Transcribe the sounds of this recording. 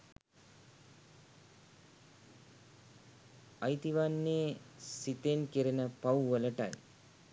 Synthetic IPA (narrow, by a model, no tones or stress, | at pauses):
ajt̪iʋanːeːsit̪enkeɾinəpawʋələʈa̰j